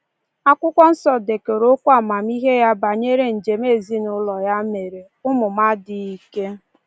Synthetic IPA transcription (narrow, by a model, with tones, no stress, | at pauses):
a˦kʷʊ˦kʷɔ˦n̩˦sɔ˨de˨ke˨ɾo˦kʷa˨ma˨mi˦ɦe˦ja˦ba˨ɲe˦ɾe˨n̩˨d͡ʒe˨me˦˨zi˦nʊ˦lɔ˨ja˦me˨ɾe˨ | ʊ˦mʊ˨ma˦dɪ˨i˨ke˦